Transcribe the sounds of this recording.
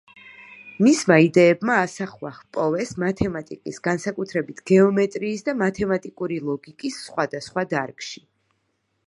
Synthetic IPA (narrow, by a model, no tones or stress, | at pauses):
mismaid̪ɛːbmaːsaχwahpʼɔvɛsmat̪ʰɛmat̪ʼikʼisɡansakʼut̪ʰɾɛbit̪ʰɡ̥ɛɔmɛt̪ʼɾiːsd̪amat̪ʰɛmat̪ʼikʼuɾilˠɔɡikʼisːχwad̪asχwad̪aɾkʼʃi